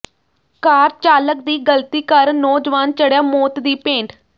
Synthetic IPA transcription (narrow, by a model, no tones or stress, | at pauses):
kaːɾt͡ʃaːlək̚d̪iːɡəlt̪iːkəɾnɔːd͡ʒʋaːnt͡ʃəɽjaːmoːt̪d̪iːpẽːɳʈ